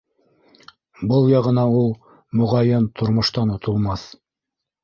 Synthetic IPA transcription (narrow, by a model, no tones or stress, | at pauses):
bɤlˠjɑʁɤ̆nɑulˠ | mŏʁɑjɘnt̪ʰŏɾmŏʃt̪ɑnŏt̪ŏlˠmɑθ